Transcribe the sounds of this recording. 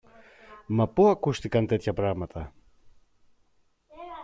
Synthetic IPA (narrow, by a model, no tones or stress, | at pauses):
mapoakust̪ikant̪et̪çapɾaɣmat̪a